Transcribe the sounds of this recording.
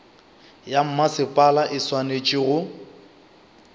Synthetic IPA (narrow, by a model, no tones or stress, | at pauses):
jam̩masɪpʼalaʔɪswanet͡ʃʼɪɣʊ